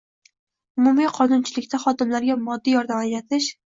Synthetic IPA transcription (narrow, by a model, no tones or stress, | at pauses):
ʊmʊmiqʰɒnʊnt͡ʃʰɪlɪkʲt̪ʰaχɒd̪ɪmlaɾɡʲamɒd̪ːijɒɾd̪amajɾat̪ʰɪʃ